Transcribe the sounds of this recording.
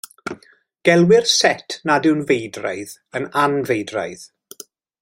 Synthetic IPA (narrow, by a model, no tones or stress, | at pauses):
ɡ̥ɛlˠwɪrsɛtʰnadɪwnvejdra̰jð | ənanvejdra̰jð